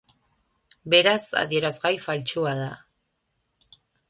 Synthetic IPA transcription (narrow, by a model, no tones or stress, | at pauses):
be̞ɾasa̰ðie̞ɾazɣajfalt͡ʃuaða